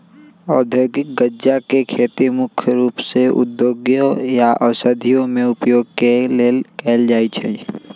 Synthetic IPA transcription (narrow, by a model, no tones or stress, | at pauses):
ɔːd̪ʱjoːɡɪk̚ɡəd͡ʒakekʰeːt̪imʊkʰjəɾuːpseʔʊ̰d̪joːɡjõjaʔəsəd̪ʱijõmẽʊpjoːɡ̚keleːkɛːld͡ʒaːit͡ʃʰe